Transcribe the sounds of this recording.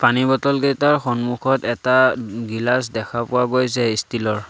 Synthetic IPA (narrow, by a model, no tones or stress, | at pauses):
panibɔtɔlɡɛtaɹxɔnmuxɔtɛtaɡilas̬dɛkʰapʊwaɡojsɛistʰilɔɹ